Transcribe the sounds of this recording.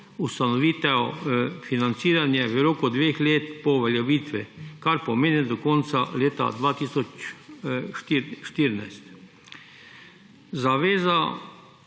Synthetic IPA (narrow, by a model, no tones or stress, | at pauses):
ust̪anɔʋiːt̪ɛfinant̪siːɾanjɛʋəɾoːkɔd̪ʋeːxleːt̪pɔʋeljɛʋiːt̪ʋikaɾpɔmeːnid̪ɔkɔnt̪sa̰leːt̪a̰d̪ʋaːt̪isɔt͡ʃ̪ | iʃt̪iːɾnajst̪ | zaʋeːza